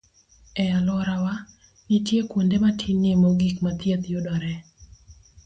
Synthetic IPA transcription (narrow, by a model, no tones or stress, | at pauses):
ɛalɔɾawa | nɪtjekwondematʰinemoɡikmat̪jet̪jodɔɾɛ